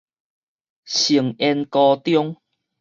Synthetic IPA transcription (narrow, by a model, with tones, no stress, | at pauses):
ɕi˨˩əŋɛ˧nkɔ˧t̪jɔ˦ŋ